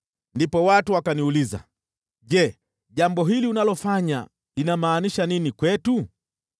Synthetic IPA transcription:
ndipɔwatuwakaniuliza̰ | ʄɛ | ʄambɔɦiliunalɔfaɲa̰ | linamaːniʃaninikwɛtu

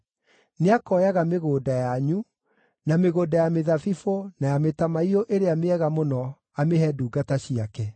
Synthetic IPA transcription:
neakɔjaɣameɣoːdajaɲu | nameɣoːdajameðafifonajametamaioʔeɾeameɛɣamonɔ | ameɦɛduːɡataɕiakɛ

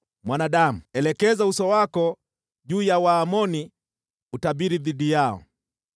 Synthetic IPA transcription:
mwanaɗamuɛlɛkɛzausɔwakɔ | ʄuːjawaːmɔni | utaɓiɾiðiɗijaɔ̰

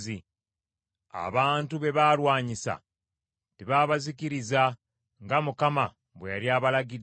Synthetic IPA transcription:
i | a̰βaːntuβe̞βaːlwaːɲisa̰ | tiβaːβazikiɾiza | ŋɡamukama | βwḛjaɾiaːβalaɡi

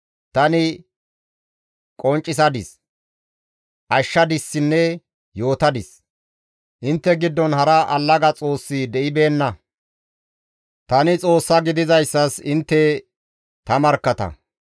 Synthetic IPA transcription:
t̪ɐnɪ | kʼɔnt͡ʃʼːɪs̬ɐd̪ɪs | ʔɐʃːɐd̪ɪsːɪnːɛ | jo̞ːt̪ɐd̪ɪs | ʔɪnt̪ːɛɡɪd̪ːɔnhɐɾɐʔɐlːɐɡɐt͡sʼo̞ːsːid̪ɛʔɪbe̞ːnːɐ | t̪ɐnɪt͡sʼo̞ːsːɐɡɪd̪ɪzɐjsːɐsɪnt̪ːɛ | t̪ɐmɐɾkːɐt̪ɐ̰

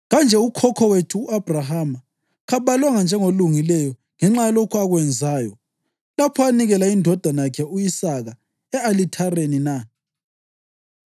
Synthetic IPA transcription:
ɣand͡ʒʱɛukʰɔkʰɔwetʰuːab̥ʱraɦama | ɣaβalwaŋand͡ʒʱɛŋoluŋilɛjɔ | ŋɛŋ͡ǁajalokʰuaɣwɛnd͡zʱaːjɔ̰ | lapʰɔaniɣɛlaindʱɔd̥ʱanakʰɛujisaɣa | ɛalitʰarenina

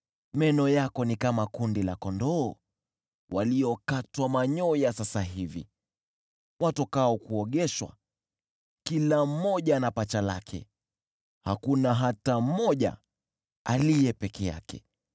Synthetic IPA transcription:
mɛnɔjakɔnikamakundila̰kɔndɔː | waliɔkatwamaɲɔjasasaɦivḭ | watɔkaɔkuɔɠɛʃwa̰ | kilam̩mɔʄanapat͡ʃala̰kʰɛ̰ | hakunaɦatam̩mɔʄa̰ | alijɛpɛkɛja̰kɛ̰

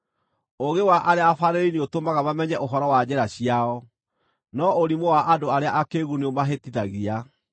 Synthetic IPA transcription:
oɣewaʔaɾeaafaɾeɾeineotomaɣaβamɛɲɛʔoɦɔɾɔwad͡ʑɛɾaɕiaɔ | nɔoɾimowaʔadoaɾeaʔakeɣuneomaɦetiðaɣia

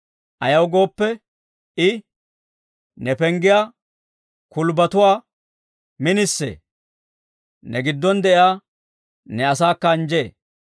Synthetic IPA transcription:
ʔɐjɐwɡo̞ːpːɛ | ʔɪ | nɛpɛŋɡɪjaː | kʊlbɐt̪ʊwaː | mɪnɪsːḛː | nɛɡɪd̪ːɔnd̪ɛʔɪaː | nɛɐsaːkːɐːnd͡ʒeː

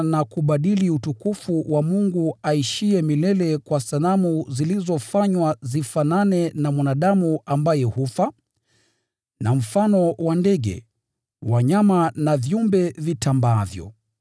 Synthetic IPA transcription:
nakuɓaɗiliutukufuwamuŋɡuaiʃiɛmilɛlɛkwasalamuzilizɔfaɲwazifananɛnamwanaɗamuambajɛhufa | nam̩fanɔwandɛɠɛ̰ | waɲamanavjumbɛvitambaavjɔ̰

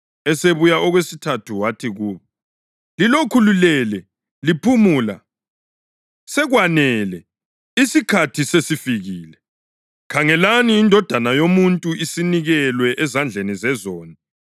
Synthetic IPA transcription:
ɛseβujaʔɔɣwesitʰatʰuwatʰiɣuːβɔ | lilokʰululɛlɛ | lipʰumula̰ | sɛɣwanɛlɛ | isikʰatʰisesifiɣiːlɛ | kʰaŋɛlaniːndʱɔd̥ʱanajomuntʼuisiniɣɛlwɛʔɛzand͡ɮʱenizɛzɔːni

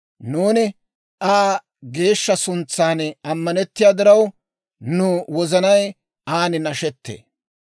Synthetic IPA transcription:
nuːnɪ | ʔaː | ɡe̞ːʃːɐsʊnt͡sːaːnɐmːɐnɛt̪ːɪjaːd̪ɪɾɐw | nʊwɔzɐnɐj | aːnɪnɐʃɛt̪ːḛː

